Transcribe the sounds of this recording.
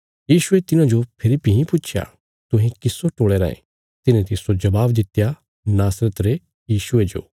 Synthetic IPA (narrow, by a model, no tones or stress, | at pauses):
jiːʃʊet̪ɪnãd͡ʒopʰɪlipiɦĩpʊtːt͡ʃʰja̰ | t̪ʊ̃ɦĩkɪsːoʈoːɽeɾa̰ːḛ̃ | t̪ɪnẽt̪ɪsod͡ʒɐbaːbd̪ɪt̪ja | naːsɾət̪ɾe | jiːʃʊed͡ʒo̰ː